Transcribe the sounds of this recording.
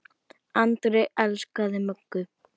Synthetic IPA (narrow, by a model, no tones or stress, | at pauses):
ant̪ɾɛʔɛlskaðɪmœkːʏ